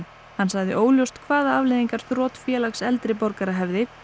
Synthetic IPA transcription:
hansaɣðɪ̰ʔoːwljowst̪kʰvaːðaavleðiŋkaɾ̥θɾɔːt̪fjɛːlaksɛlt̪ɾɪpɔɾkaɾaɦɛvðɪ

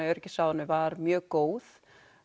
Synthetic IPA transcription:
ajœɾcɪsawðanʏvaɾmjœːkoːwð

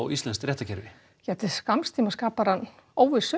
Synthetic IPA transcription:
ɣist̪ɛnst̪ɾɛht̪acɛɾvɪ | jɛt̪ɪskamst̪ʰiːmaskaːpaɾanː | oːwvɪsʏ

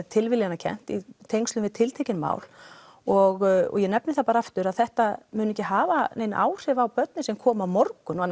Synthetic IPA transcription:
ðt̪ʰɪlvɪljanːacʰɛ̰n̥t̪it̪ʰejŋst̪ʏmvɪðt̪ʰɪlt̪ʰejcɪnma̰ːwl | ɔɣɔ̰ɣjɛnɛpnɪθapaːɾaaft̪ʏɾaðθɛht̪amʏːnʏɛcɪɦaːvanejnʔa̰ːwr̥ɪvawpœt̪nɪsɛmkʰɔːmawmɔrkʏnɔanː

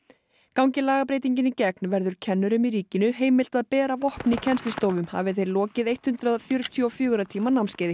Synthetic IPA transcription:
kawŋɲcɪlaːɣap̬ɾejt̪̬iɲcɪnɪcɛknvɛɾðʏɾ̥cʰɛnːʏɾʏmiɾiːcɪnʏɦeːjmɪl̥t̪aðpɛːɾavɔhpnicʰɛnst̪lɪst̪oːwvʏmha̰ːvɪθejɾlɔːcɪðejt̪hʏnt̪ɾaðfjœɾʏt̪ʰjɔfjʏːɣʏɾat̪ʰiːmanamscɛjðɪ

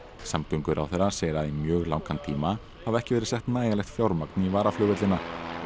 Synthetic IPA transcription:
samt̪ʏŋkʏɾʔa̰wθɛɾːaseːjɾaðimjœːɣlawŋkʰant̪ʰiːma | havɛhcɪvɛːɾɪsɛht̪naːjalɛxt̪fjawɾmaknivaːɾaflœːɣvɛt̪lɪnːa

